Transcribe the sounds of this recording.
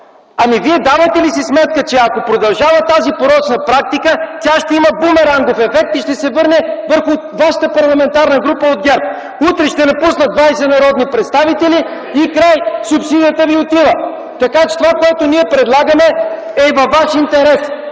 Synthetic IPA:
ɐmiviɛd̪avət̪ɛlisismɛt̪̚kət͡ʃɛɐkopɾod̪ɐlˠʒavət̪azipoɾɔt͡ʃnəpɾak̚t̪ikət̪ʲaʃt̪ɛiməbumɛɾanɡofɛfɛk̚t̪iʃt̪ɛsɛvɤɾnɛvəɾxʊ | vaʃə̥t̪əpɐɾlˠɐmɛnt̪aɾnəɡɾupəod̪̚ɡʲɛɾp̚ | ut̪ɾɛʃt̪ɛnɐpusnəd̪d̪vajsɛnɐɾɔd̪nipɾɛt̪st̪avit̪ɛli | ikɾajsupsid̪ijət̪əviot̪ivə | t̪ɐkat͡ʃɛ̥t̪ovakoɛt̪oniɛpɾɛd̪lˠaɡəmɛ | ɛvɐvːaʃint̪ɛɾɛs

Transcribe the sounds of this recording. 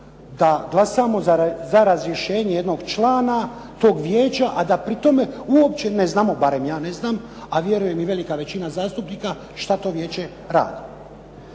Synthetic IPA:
d̪aɡlˠasamo̞zazaɾazɾje̞ʃe̞ːɲeje̞d̪no̞ɡt͡ʃlaːnat̪o̞ːɡʋjeːt͡ɕaʔad̪apɾit̪o̞me̞uopt͡ɕe̞neznaːmo̞baɾe̞mjaːne̞znaːm | aʋje̞ɾuje̞miʋelikaʋe̞t͡ɕinazaːst̪upniːka | ʃt̪at̪o̞ːʋje̞ːt͡ɕe̞ | ɾa̰ːd̪i

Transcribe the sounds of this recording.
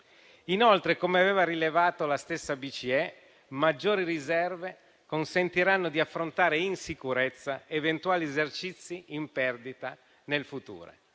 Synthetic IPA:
inolt̪ɾekomeaveːvaɾilevaːt̪olast̪esːabit͡ʃiɛ | mad͡ʒːoːɾirizɛrve | konsent̪iɾanːod̪iafːɾont̪aːɾeinsikuɾet̪sːaevent̪uaːliezert͡ʃit̪sːiimpɛrd̪it̪a | nelfut̪ṵːɾo̰

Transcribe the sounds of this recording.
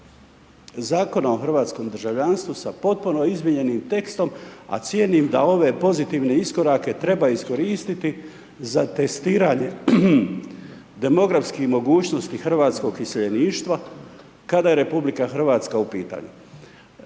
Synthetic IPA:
zaːko̞naoxr̩ʋaːt̪sko̞md̪r̩ʒaʋʎanst̪ʋusapo̞t̪̚puno̞izmiɲe̞nimt̪e̞kst̪o̞ma̰t̪sjenimd̪ao̞ʋe̞po̞zit̪iʋne̞isko̞ɾake̞t̪ɾe̞baisko̞ɾiːst̪it̪i | zat̪e̞st̪iːɾaɲe̞ | d̪e̞mo̞ɡɾafskixmo̞ɡuːt͡ɕno̞st̪ixr̩ʋaːt̪sko̞ɡiseʎeniːʃt̪ʋa | kad̪aje̞ɾe̞publikaxr̩ʋaːt̪skaupiːt̪a̰ːɲṵ

